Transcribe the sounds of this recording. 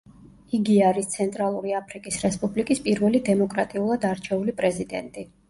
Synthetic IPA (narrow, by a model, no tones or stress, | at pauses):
iɡiaɾist̪sʰɛnt̪ʼɾalˠuɾiapʰɾikʼisɾɛspʼublikʼispʼiɾvɛlid̪ɛmɔkʼɾat̪ʼiulˠad̪aɾt͡ʃʰɛulipʼɾɛzid̪ɛnt̪ʼi